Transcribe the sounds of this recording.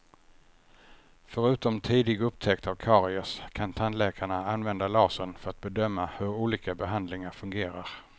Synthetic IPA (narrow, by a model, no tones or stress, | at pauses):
fœɾʉ̟ːt̪ɔmt̪ʰiːd̪ɪɡɵpːt̪ʰɛkt̪avkʰɑːɾɪɔskʰant̪ʰand̪lɛːkʰaɳaanvɛnd̪alɑːsənfœɾat̪̚bɛd̪œmːahɵɾuːliːkabɛɦand̪lɪŋaɾfɵŋɡeːɾaɾ